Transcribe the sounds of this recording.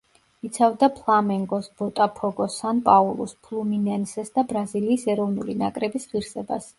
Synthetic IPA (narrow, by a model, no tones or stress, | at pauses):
it̪sʰavd̪apʰlˠamɛŋɡɔsb̥ɔt̪ʼapʰɔɡɔsanpʼaulˠṵspʰlˠuminɛnsɛsd̪abɾaziliːsɛɾɔvnṵlina̰kʼɾɛbisʁiɾsɛba̰s